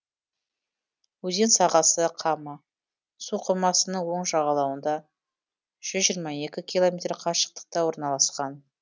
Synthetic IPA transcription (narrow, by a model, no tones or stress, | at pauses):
wɵze̞nsɑʁɑsəqʰɑmɑ | suqʰəmɑsənəɴwo̞ɴʒɑʁɑlˠɑwənd̪ɑ | ʒ̥ʏzʒijɾmɑje̞kʲɪkʲʰilˠo̞mʲet̪ɾqʰɑʃə̥q̚t̪ə̥q̚t̪ɑwo̞ɾnɑlˠɑsqɑn